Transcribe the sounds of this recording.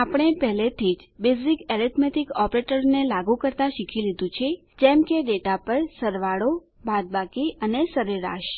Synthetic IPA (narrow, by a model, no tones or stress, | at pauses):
apɳ̃epɛɦlet̪ʰid͡ʒbezikeɾit̪ʰmeʈikɔpɾeʈəɾnelaɡũkəɾt̪aʃikʰilid̪ũt͡ʃʰe | d͡ʒɛmkeɖeʈapəɾsəɾʋaɭo | bʱad̪̚bakiənesəɾeɾa̰ʃ